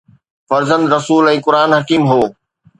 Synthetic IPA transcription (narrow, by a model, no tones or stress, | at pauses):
fɐɾzə̃nd̪ɾɐsuːlɛ̃ːkʊɾaːnɦɐkiːmɦoː